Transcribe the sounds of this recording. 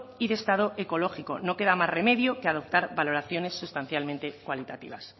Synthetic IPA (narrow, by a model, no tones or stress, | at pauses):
iðe̞st̪að̞o̞ʔe̞ko̞lo̞xiko̞no̞ke̞ðamazre̞me̞ðjo̞keað̞o̞p̚t̪aɾβalo̞ɾaθjo̞ne̞sːust̪an̟θjalment̪e̞kwalit̪at̪ḭβ̞as